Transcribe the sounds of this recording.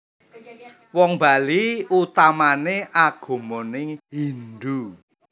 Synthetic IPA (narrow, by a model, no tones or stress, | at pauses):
wɔŋba̤liut̪amaneʔaɡ̥o̤monɪŋɦind̪u